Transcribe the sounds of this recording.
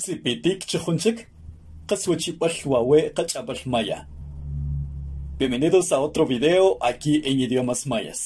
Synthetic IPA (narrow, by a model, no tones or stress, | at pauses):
sipit̪iːkt͡ʃeχunt͡ʃik | qaswat͡ʃiɓalwaweʔqat͡ʃʼaɓalmaja̰ | pemeniðosaot̪ɾoβiðeoʔakiːʔeniðjomasmaja̰s